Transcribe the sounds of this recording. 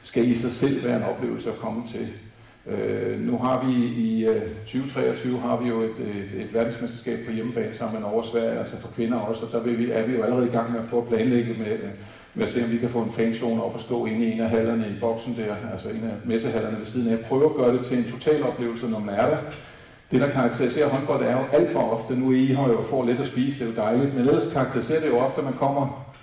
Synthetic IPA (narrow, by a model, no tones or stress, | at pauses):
sɡ̥æisɑ̈ɪsel̰ʋæːɐe̝nɒ̽b̥le̝̰ːʊl̩səækʰɒ̽mət͡sʰe̝l | ønuɦɑ̈ʋiit͡sʰyːʊt͡sʰʁɛ̰ːɒt͡sʰyːʊəɦɑ̈ʋijo̝e̝d̥e̝d̥ʋæɐd̥n̩smesd̥ɐ̥sɡɛ̰ːb̥̚pʰɒ̽jeməb̥ɛ̰ːn̩sɑ̈m̰̩enɒʊɐsʋæɐ̰ɪjælsɐfɒ̽kʰʋe̝nɐɒ̽sɒ̽d̥ɑ̈ʋe̝ʋiæɐʋijo̝æləʁɛð̞̩ˠiɡ̥ɑ̈ŋ̰meæpʰʁœʊɐpʰlɛːnleɡ̥əme | meæse̝̰ːɒ̽mʋikʰæfɔ̰̽ːe̝nfɛːnso̝̰ːnɒ̽b̥ɒsd̥ɔ̰ːe̝ne̝næɦæl̰ɐnəib̥ɒ̽ɡ̥sn̩d̥æɐ̰ælsɐe̝næmesəɦæl̰ɐnəʋe̝siðˠn̩æjɑɪpʰʁœːʊɐæɡ̥ɶːɐɾ̥e̝t͡sʰe̝le̝nt͡sʰo̝t͡sʰɛ̰ːlɒ̽b̥le̝̰ʊl̩sənɒmænæɐɾ̥æ | d̥e̝ɾ̥ɑ̈kʰɑ̈ɡ̥̚t͡sʰeɐʁise̝̰ːɐɦɒ̽nb̥ɒd̥̩æɐjo̝ʔæl̰d̥fɒ̽ɒ̽fd̥ənuiiɦɒjofɒ̰ːled̥æsb̥ḭːsəd̥e̝jo̝d̥ɑ̈ɪlid̥menel̰ɐskʰɑ̈ɡ̥̚t͡sʰeɐʁise̝̰ɐd̥e̝jo̝ɒ̽fd̥əmænkʰɒ̽m̰ɐ